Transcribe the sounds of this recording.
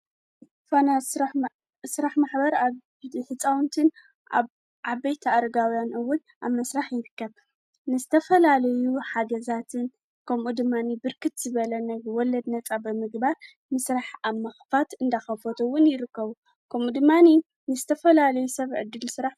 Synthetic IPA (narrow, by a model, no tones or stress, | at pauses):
fona | sɨɾaħmaħbɐɾa | ħɨt͡sʼawnt̪ʰɨn | a | ʔabɐjt̪ʰaːɾɐɡawjanʔɨwːʊn | ʔa̰βmːɐsɾaħjɪɾɨkːɐβ | nɨzɨt̪ʰɐfɐlalɐjuħaɡɐzat̪ʰɨn | kʰɐmʔud̪ɨmːanibɨɾkʰɨt̪z̥ɨβɐlɐnɐwɔlɐd̪nɐt͡sʼabɨmɨɡbaɾ | mɨsɾaħamɐxfat̪ɨnd̪axɐfot̪ʰɨwːʊnjɪɾɨkːɐβu | kʰɐmud̪ɨmːani | nɨzɨt̪ʰɐfɐlalɐjusɐβʕɨ̰d̪ːɨlsɨɾaħ